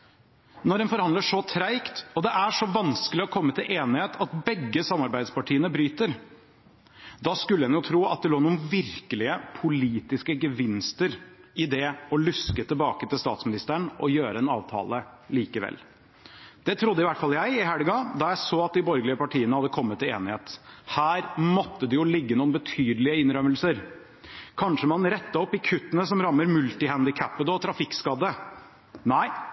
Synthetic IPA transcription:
nɔɖɛnfɔɾhɑnd̪ləʂɔt̪ʰɾæɪkt̪ɔd̪ɛʔæʂɔʋɑnskəlɪɔkʰɔmːət̪ʰɪlʔeːnɪheːt̪ʰɑt̪̚bɛɡːəsɑmːɑɾbæɪd̪spɑʈʰiːənəbɾyːt̪əɾ | d̪ɑskʉləd̪ɛnjʊt̪ʰɾuːɑ̰t̪̚d̪ɛloːnuːənʋɪɾkəlɪəpʰʊliːt̪ɪskəɡəʋɪnst̪əɾɪd̪ɛɔlʉskət̪ʰɪlbɑːkət̪ɪlst̪ɑ̰ːt̪smɪnɪst̪əɳʔɔjøːɾəɛnɑ̰ːʋt̪ʰɑ̰ːləliːkəʋɛ̰lː | d̪̥ɛt̪ʰɾʊd̪əɪʋæʈːfɑljæɪɪhæɽəɡɑd̪ɑjæɪsoːɑt̪̚d̪ɪbɔɾɡlɪəpɑʈʰiːənəhɑd̪ːəkʰɔmːət̪ːɪeːnɪheːt̪hæːɾmɔt̪ːəd̪ɪjʊlɪɡːənuːənbət̪ʰyːd̪əlɪəɪnɾœməlsəɾ | kʰɑnʂəmɑnɾɛt̪ːəɔpːɪkʰʉt̪ːənəsɔmɾɑmːəɾmʉlt̪ɪhænd̪ɪkʰæpːəd̪ɔt̪ʰɾɑfɪkskɑd̪ːə | næɪ

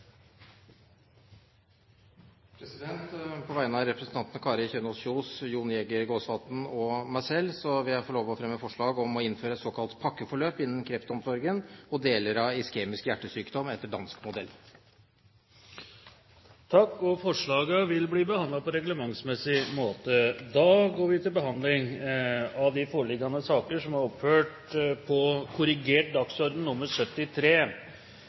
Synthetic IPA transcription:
pʰɾɛsɪd̪ɛnt̪pʰɔʋæɪnəɑɾɛpɾəsn̩t̪ʰɑnt̪ənəkʰɑːɾəçøːnɔsçuːsjuːnjɛɡəɡoːsʋɑt̪n̩ɔmæɪsɛlːsɔʋɪæfɔɭoːʋɔfɾɛmːəfɔʂɭɑːɡɔmɔɪnføːɾəɛt̪sɔːkʰɑlt̪pʰɑkːəfɔɭøːpɪnːənkʰɾɛft̪ɔmsɔɾɡənɔd̪eːləɾɑɪskeːmɪskjæʈːəsyːkd̪ɔmɛt̪ːəɖɑnskmʊd̪ɛlː | t̪ʰɑkːɔfɔʂɭɑːɡəʋɪlbliːbəhɑnd̪lɑpʰɔɾɛɡləmɑŋsmɛsɪmoːt̪əd̪ɑːɡoːɾʋɪt̪ʰɪlbəɦɑnd̪lɪŋ | ɑʋd̪ɪfoːɭɪɡːɑnəsɑːkəʂɔmæɾɔpføːʈ | pʰɔkʰʊɾɪɡeːʈ̚d̪ɑksɔɾd̪n̩nʊmːəɾʂœt̪ːɪt̪ʰɾeː

